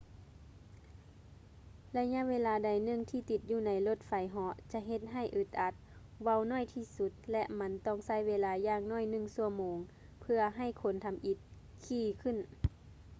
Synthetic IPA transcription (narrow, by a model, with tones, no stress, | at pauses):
la˧ɲa˧˨ʔʋeː˧laː˨˧˦da˨˩jnɯ˧˩˨ŋt̪ʰiː˧t̪i˧˦t̪̚juː˧˩na˨˦jlo˧t̪̚fa˨˦jɦɔ˧˦ʔt͡ɕa˧ɦe˧t̪̚ɦa˧˩jʔɯ˧˩t̪̚ʔa˧˦t̪̚ | ʋa˧˩˨wnɔː˧˥˨jt̪ʰiː˧˩su˧˦t̪̚lɛ˧ʔma˧˥nt̪ɔː˧˥˩ŋsa˧˥˨jʋeː˧laː˧jaː˧ŋnɔː˧˥˩jnɯ˧˩˨ŋsu˧ɐmoː˨˦ŋ | pʰɯ˧ɐɦa˧˩jkʰo˨˦nt̪ʰa˧mʔi˧˦t̪̚ | kʰiː˧˩kʰɯ˧˥˨n